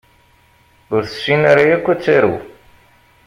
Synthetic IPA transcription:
ʊɾθə̥sːinaɾajækʷːæt͡sːiɾṵ

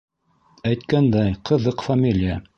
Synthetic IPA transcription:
æjt̪̚kænd̪æjqʰɤ̆ðɤqfamʲilʲɪja

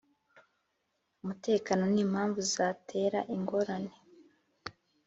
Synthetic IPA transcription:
umute̞ːkaːno̞niːmhaːɱvuzatʰe̞ːɾaʔiŋɡo̞ɾane̞

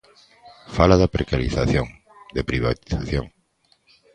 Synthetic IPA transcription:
falaðapɾekaɾiθaθjoŋ | d̪epɾiβat̪i̥θaθjõ̰ŋ

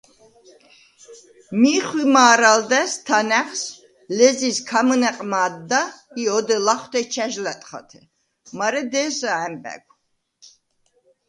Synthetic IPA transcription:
miːχwimaːɾald̪ɛst̪ʰanɛχs | lɛziskʰamɨnɛqʼmaːd̪ːaiɔd̪ɛlaχt̪ʰɛt͡ʃʰɛʒlɛt̪ʼχa̰t̪ʰɛ | maɾɛd̪ɛːsaɛmbʼɛ̰ɡʷʰ

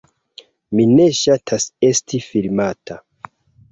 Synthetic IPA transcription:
mine̞ʃatʰase̞stifilmatʰa

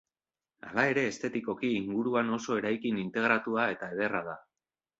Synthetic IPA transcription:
a̰lae̞ɾe̞ːst̪e̞t̪iko̞kiːŋɡuɾuano̞so̞e̞ɾajkinint̪e̞ɣ̞ɾat̪uae̞t̪ae̞ð̞e̞rað̞a

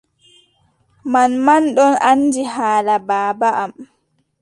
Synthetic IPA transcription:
manmanɗɔnandihaːlabaːbaʔam

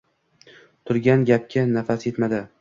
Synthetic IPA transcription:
t̪ʰʊɾɡʲanɡʲap̚kʲʰanafasje̞t̪mad̪ɪ

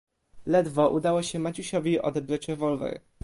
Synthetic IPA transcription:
lɛd̪vɔʔud̪awɔɕɛmat͡ɕuɕɔvʲiʔɔ̰d̪ɛbɾat͡ɕɾɛvɔlvɛ̰ɾ

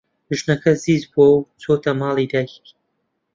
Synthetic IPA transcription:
ɨʒnɐkʰɐziːzbuɐwt͡sʰot̪ʰɐmɑːlˠid̪ak

